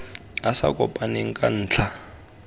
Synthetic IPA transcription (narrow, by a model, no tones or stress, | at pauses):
asa̰kʼɔpʼaneŋ̩kʼan̩ːt͡ɬʰa